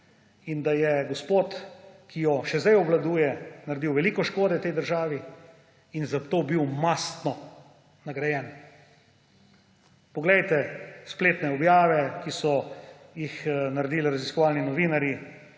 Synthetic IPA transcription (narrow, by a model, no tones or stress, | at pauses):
ind̪ajɛɡospoːt̪kijɔʃɛzd̪ɛjɔblad̪uːjɛnaɾɛd̪iwʋɛliːkɔʃkoːd̪ɛt̪ɛjd̪əɾʒaːʋi | inzat̪oːbiwmast̪nɔ | naɡɾajɛn | pɔɡlɛjt̪ɛspleːt̪nɛɔbjaːʋɛkisɔjixnaɾɛd̪iːliɾaziskɔʋaːlninɔʋiːnaɾji